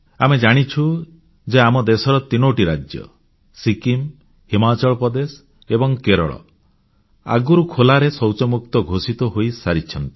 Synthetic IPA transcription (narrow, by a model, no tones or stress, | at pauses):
amed͡ʒaɽ̃it͡ʃʰu | d͡ʒeamɔd̪esɔɾɔt̪inoʈiɾad͡ʒjɔ̰ | sikim | himat͡ʃɔɭɔpɾɔd̪es | ebɔŋkeɾɔ̰ɭɔ̰ | a̰ɡuɾukʰolaɾesɔwt͡ʃɔmuk̚t̪ɔɡʱosit̪ɔɦojsaɾit͡ʃʰɔnt̪i̥